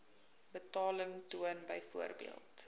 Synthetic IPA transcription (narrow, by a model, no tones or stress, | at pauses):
bətɑːləŋtuənbəjfuərbḭəlˠt